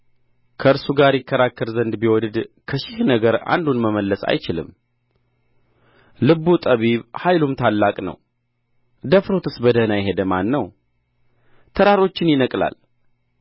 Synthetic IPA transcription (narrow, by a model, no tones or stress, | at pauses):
kʰəɨɾsuɡaɾjɪkːəɾakːəɾzənd̪biwɔd̪ɨd̪kʰəʃɪhnəɡəɾa̰nd̪unməməlːəsa̰jt͡ʃɪlɨ̰m | lɨβut̪ʼəβiβhajlumt̪ʰalːakʼnə̰w | d̪əfɾo̞t̪ʰɨsbəd̪ənajɦe̞d̪əmanːəw | t̪ʰəɾaɾo̞t͡ʃːɪnjɪnəkʼla̰l